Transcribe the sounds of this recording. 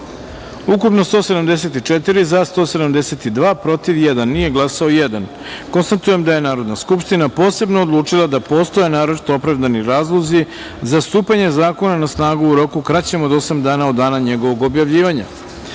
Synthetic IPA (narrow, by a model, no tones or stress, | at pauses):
ukupno̞st̪o̞ːse̞d̪amd̪es̬e̞t̪it͡ʂet̪iɾizast̪o̞ːse̞d̪amd̪eset̪id̪ʋaːpɾo̞t̪iʋjed̪anːije̞ɡlˠasaojed̪an | ko̞nst̪at̪uje̞md̪aje̞naːɾo̞d̪naskupʃt̪inapo̞ːse̞bno̞ːd̪lˠuːt͡ʂilˠad̪apo̞ːst̪o̞jenaːɾot͡ʃi̥t̪o̞opɾaʋd̪aniɾaːzlˠo̞zi | zast̪uːpaɲe̞zaːko̞nanasnaːɡuuɾo̞kukɾat͡ɕe̞mod̪o̞samd̪aːnaod̪ːaːnaɲe̞ɡo̞ʋo̞ɡo̞bjaʋʎiːʋaɲa̰